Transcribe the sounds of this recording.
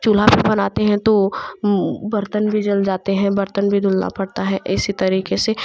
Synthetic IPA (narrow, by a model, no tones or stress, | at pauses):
t͡ʃul̤abʱibɐnaːt̪eɦɛ̃t̪o | bɐɾt̪ənbʱid͡ʒɐld͡ʒaːt̪eɦɛ̃bɐɾt̪ənbʱid̪ʱʊlna̰pɐɽt̪aɦɛʔɪsit̪ɐɾiːkese